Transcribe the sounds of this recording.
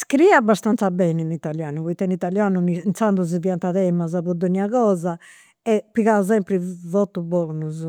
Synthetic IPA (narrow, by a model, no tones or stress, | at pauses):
skɾiabːast̪ant̪sabɛːninit̪aljaːnuβuit̪ːɛnit̪aljaːnunint̪sand̪uzivjant̪aðɛmazaβud̪oniaɣɔːza | ɛpːiɣauz̬ɛmpɾivɔt̪ːubɔːnuz